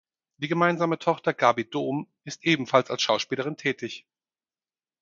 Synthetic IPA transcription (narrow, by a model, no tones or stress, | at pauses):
d̥iːɡəmaɪnzaːmətʰɔχtɐɡaːbidoːm | ɪstʔeːbm̩falsalsʃaʊʃpiːləʁɪntʰɛːtɪç